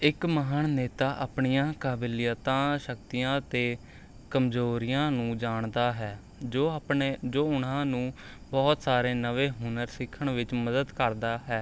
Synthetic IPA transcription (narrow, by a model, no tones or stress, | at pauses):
ɪkməɦaːnneːt̪aːʔaːpɳijãːkaːbilɪjət̪ãːʃəkt̪ijãːt̪eː | kəmzoːɾɪjãːnũːd͡ʒaːɳd̪aːɦɛː | oped͡ʒoːʊnãːnũː | bɔːt̪saːɾeːnəʋeːɦʊnəɾsɪkʰːəɳʋɪt͡ʃməd̪əd̪kəɾd̪aːɦɛː